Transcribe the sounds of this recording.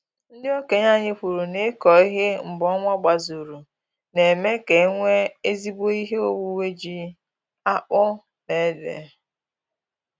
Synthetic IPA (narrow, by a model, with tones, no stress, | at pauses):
n̩˦dɪ˦o˦ke˨ɲa˦ɲɪ˦ɸu˨ɾu˨ne˦kɔ˨i˦ɦe˦m̩˨bɔ˦ŋʷa˦ɡ͡ba˨zu˨ɾu˨ | ne˨me˦ke˨˦ŋʷe˦e˦zi˦bo˦i˦ɦe˦o˦wu˦we˦d͡ʒi˦ | a˦k͡pʊ˦ | ne˨˦dḛ˨